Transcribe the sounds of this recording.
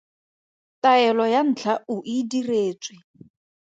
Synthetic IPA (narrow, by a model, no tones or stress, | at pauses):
tʼaɛlɔjan̩t͡ɬʰauʔidireːt͡sʼwɪ